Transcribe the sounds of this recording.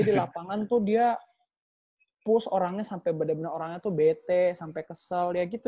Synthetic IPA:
adilapaŋant̪ʊhdia | pʊsoɾaŋɲasampaɛjbadabənəɾoɾaŋɲat̪uhbet̪ɛsampɛkəsəljaɡit̪u

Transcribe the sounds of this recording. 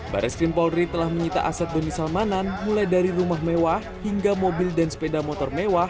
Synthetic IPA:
ba̰ɾʔɛskɾimpɔlrit̪əlahməɲit̪a̰ʔasat̪̚bəmisalmananmulajdaɾiɾumahmewahhiŋɡamobildansə̥pedamɔt̪ɔrmewah

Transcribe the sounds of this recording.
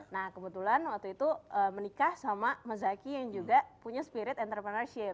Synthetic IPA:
nahkəbət̪ulanwak̚t̪uit̪uəmənikahsamaməzakijaŋd͡ʒuɡaʔpuɲaspiɾɪt̪ɛnt̪əɾpɾənarsiə

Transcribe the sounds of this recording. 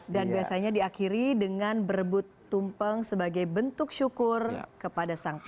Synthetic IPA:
danbiasaɲadiakiɾidəŋanbəɾbʊt̪ːumpəŋsəbaɡajbənt̪ʊk̚ʃukʊrkəpadasaŋk

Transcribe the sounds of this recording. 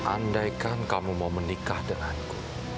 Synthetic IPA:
ʔa̰ndajkankamumawmənikahdəŋanku̥

